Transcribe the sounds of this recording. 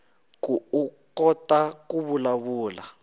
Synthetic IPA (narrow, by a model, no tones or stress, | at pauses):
k̬ʼukɔtʼak̬ʼuβulaβuːla